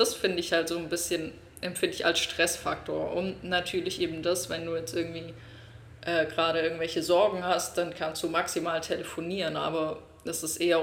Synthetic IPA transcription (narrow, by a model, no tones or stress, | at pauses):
d̥asfɪndəɪçhaltz̥oːnbɪsçən | ʔɛmfɪndəɪça̰lsʃtʁ̥ɛsfak̚tʰoːɐʔʊntnatʰyːɐlɪçʔeːbm̩dasvɛnduːjɛt͡stʔɪɐɡŋ̩tv̥iː | ʔɛːɡʁaːɾəʔɪɐɡŋ̩tv̥ɛlçəzɔɐɡŋ̩hast̚d̥ankʰanstd̥uːmaksimaːltʰeləfoniːʁənʔa̰ːbɐ | dɛsɪstʔeːɐ